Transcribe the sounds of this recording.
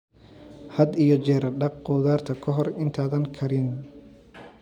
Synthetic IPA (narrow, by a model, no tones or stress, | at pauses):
hɐd̪ijɔt͡ʃɛːɾɐɖɑq̚qɔːðaːrt̪ʰɐkʰɔɦɔrɪnt̪ʰaːðɐŋkʰɐɾɪn